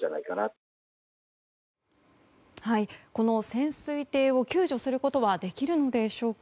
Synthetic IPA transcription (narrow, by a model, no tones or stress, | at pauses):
ana̰ikana | haiko̞no̞sẽ̞ɰ̃sɨit̪e̞ːo̞kʲɨːʑo̞sɨɾɯ̟ko̞t̪o̞βad̪e̞kʲiɾɯ̟no̞d̪e̞ɕo̞ːk